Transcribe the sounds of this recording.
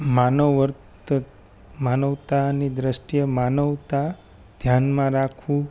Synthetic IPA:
manəəɾt̪ | manəʋt̪anid̪ɾəʃʈijəmanəʋt̪a | d̪ʱjanmãɾakʰũ

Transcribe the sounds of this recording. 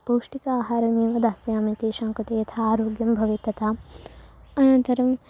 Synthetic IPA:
poːʂʈikaːɦaːɾɐniːʋɐd̪aːsjaːmikeːʃaːŋkɾɐt̪ejɐt̪ʰaːɾoːɡjɐmbʱɐʋet̪ːɐt̪ʰaː | ɐnɐnt̪ɐɾɐm

